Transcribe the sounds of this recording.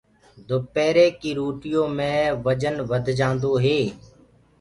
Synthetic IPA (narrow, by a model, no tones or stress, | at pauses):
d̪ʊpeːɾeːkiːɾuːʈɪjõːmẽːʋəd͡ʒənʋəd̪ʱd͡ʒãːnd̪oːɦeː